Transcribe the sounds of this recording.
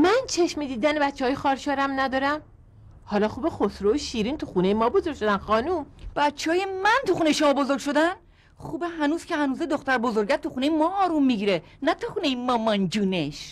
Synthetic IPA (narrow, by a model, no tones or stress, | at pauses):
mænt͡ʃʰeʃmid̪iːd̪æneæt̪t͡ʃːeɒːjexɒːɾʃɒːɾæmnæd̪ɒːɾæm | hɒːlɒːxuːbexosɾooʃiːɾint̪ʰuxune̞jemɒːbozoɾɡʲʃo̞d̪ænxɒːnumb̥æt̪t͡ʃʰːeɦɒːjemænt̪ʰuxunejeʃomɒːbo̞zo̞ɾɡ̚ʲʃo̞d̪æn | xuːbeɦænuːz̥cʰehænuːzed̪oxt̪æɾbo̞zo̞ɾɟæɾt̪ʰuxuːne̞jemɒːɾumːiɟiːɾe | næt̪ʰuxuːnejemɒːmɒnd͡ʒuːneʃ